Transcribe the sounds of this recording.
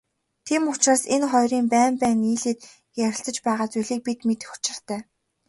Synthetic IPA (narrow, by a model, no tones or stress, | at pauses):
t̪ʰiːmʊt͡ɕraːsenχɔjriːmpæːmpæːniːɮeːt̪ | jæɾʲɪ̆ɬt͡sə̆t͡ɕpæːʁaːt͡sujɮiːk̚pit̪met̪xʊ̥t͡ɕɪ̆r̥t̪ʰæː